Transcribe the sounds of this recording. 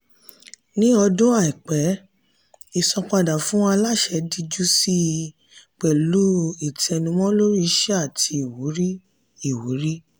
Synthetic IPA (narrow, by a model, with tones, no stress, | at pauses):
nĩ˦ɔ˧dõ˦a˦˨i˨k͡pɛ˨˦ | i˨sɔ˧k͡pa˧da˨fũ˦ɔ̃˦a˧la˦˨ʃɛ˨˦di˧d͡ʒu˦si˦ | k͡pɛ˨lu˦i˨tɛ˧nũ˧mɔ̃˦lo˦ɾi˦˧ʃɛ˦a˦˨tʰi˧i˨wu˨˦ɾi˦ | i˦˨wu˨˦ɾi˦